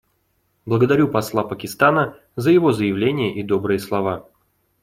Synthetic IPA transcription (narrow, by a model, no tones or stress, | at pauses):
blˠəɡəd̪ɐɾʲupɐslˠapəkʲɪst̪anə | zəjɪvo̞zəjɪvlʲenʲɪjəʔid̪o̞bɾɨjəslˠɐva